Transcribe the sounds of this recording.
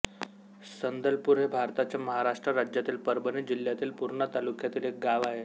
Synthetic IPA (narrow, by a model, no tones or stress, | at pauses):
sənd̪əlpuɾɦebʱaɾt̪at͡ɕjaməɦaɾaʂʈɾəɾad͡ʑjat̪iːlpəɾbənid͡ʑiljat̪iːlpuɾɳət̪alukjat̪iːlek̚ɡaʋaɦe